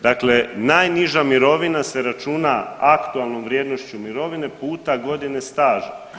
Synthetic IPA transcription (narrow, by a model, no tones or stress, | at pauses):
d̪akle̞najniʒamiɾo̞ʋinase̞ɾat͡ʃunaakt̪ualˠno̞mʋɾje̞ːd̪no̞ʃt͡ɕumiɾo̞ʋine̞puːt̪aɡo̞d̪ine̞st̪aːʒe